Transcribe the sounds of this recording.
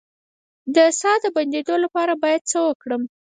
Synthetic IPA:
d̪əsɑd̪əband̪ed̪olapɑɾabɑjad̪̚t͡səwəkɽəm

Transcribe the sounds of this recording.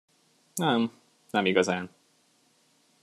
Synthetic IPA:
nɛm | nɛmiɡɒzaːn

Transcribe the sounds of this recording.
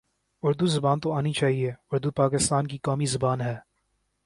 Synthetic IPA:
ʊɾd̪uzɐbaːnt̪oaːnit͡ʃaːɦieʊɾd̪upaːkɪst̪aːnkikaːmizɐbaːnɦɛː

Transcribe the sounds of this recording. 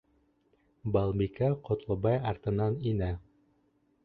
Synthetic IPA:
bɑlˠbikæqŏt̪lˠɤ̆bɑjɑɾt̪ɤ̆nɑninæ

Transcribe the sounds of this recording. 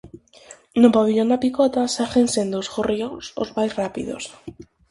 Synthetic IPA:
nʊpaβeʎond̪apikɔt̪asaxensẽnd̪oːsxoriõŋso̰zmajsrapḭðo̰s

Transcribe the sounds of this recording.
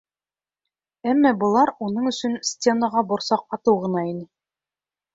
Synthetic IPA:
æmːɑbɤ̆lˠɑɾunɤɴɵ̆sɵnsʲtʲenəʁɑbŏɾsɑq̚ɑt̪ɤwʁɤ̆nɑinɘ

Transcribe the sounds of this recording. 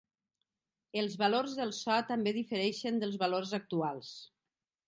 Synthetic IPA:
əlˠzβalorzðəlˠsɔt̪əmbeðifəɾɛʃənd̪əlˠzβalorzak̚t̪ualˠs

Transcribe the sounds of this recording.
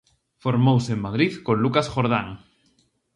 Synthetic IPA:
foɾmowsemmaðɾiðkõnlukasxoɾð̞aŋ

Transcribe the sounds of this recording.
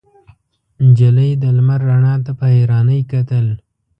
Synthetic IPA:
d͡ʒaləjd̪əlmaɾːaɳɑt̪apəheɾɑnəjkat̪əl

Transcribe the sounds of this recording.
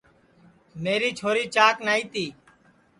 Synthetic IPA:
meːɾiːt͡ʃʰoːɾiːt͡ʃaːknaːiːt̪iː

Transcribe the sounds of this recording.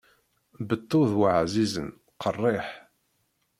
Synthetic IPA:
bət̪ːʊðwaʕzizə̰n | qʰərˤːeħ

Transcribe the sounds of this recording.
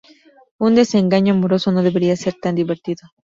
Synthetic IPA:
und̪e̞seŋɡaɲoamoɾo̞so̞no̞ðe̞βe̞ɾiase̞ɾt̪and̪iβe̞ɾt̪iðo

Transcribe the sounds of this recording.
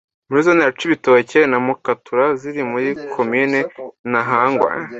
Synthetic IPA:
muɾizoneat͡ʃiβitocenamukatuɾaziɾimuɾikʰominenaɦaŋɡwa̰ːɲ

